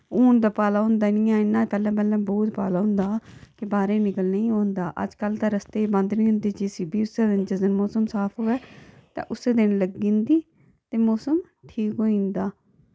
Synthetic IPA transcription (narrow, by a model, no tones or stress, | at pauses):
oːnd̪aːpaːlaːɦʊ̃nd̪aːnĩːãːɪnːãːpɛːlãːpɛːlãːbɔːt̪paːlaːɦʊ̃nd̪aːkɪbaːɾeːnɪkəlnəĩːõːnd̪aːʔə̰d͡ʒkəlt̪ãːɾəst̪eːbə̃nd̪nĩːɦʊ̃nd̪eːd͡ʒeːsɪbiːʊseːd̪ɪnd͡ʒəzənmɔːsəmsaːpʰɦoːɛːt̪ã̰ːʔʊsːeːd̪ɪnləɡĩːnd̪iː | t̪eːmɔːsəm | ʈʰiːkɦoːĩːnd̪aː